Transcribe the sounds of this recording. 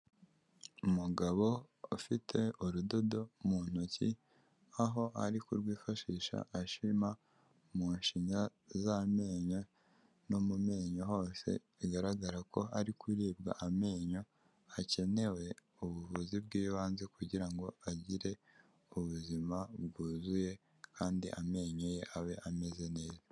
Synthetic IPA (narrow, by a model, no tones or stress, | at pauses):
umuɡaβo̞ | ufitʰe̞uɾudo̞do̞mun̥oci | aɦo̞aɾikuɾɡwiːfaʃiːʃa̰ʔːʃima | muːnʃiɲazame̞ːɲo | nomume̞ːɲoɦo̞ːse̞̰ | iɡaɾaɡaɾako̞aɾikwiɾiːb̚ɡa̰ʔame̞ːɲo̞ | ace̞ne̞we̞ | uβuvuzibɡiːjuβaːnzekuɟiɾaŋɡo̞aɟiɾe̞ | uβuzimabɡuːzuje̞ | kaːndiʔame̞ːɲoje̞ʔaβe̞ʔame̞ze̞ne̞ːza